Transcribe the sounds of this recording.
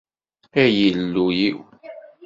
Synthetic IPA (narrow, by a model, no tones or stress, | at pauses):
æjəlːujiw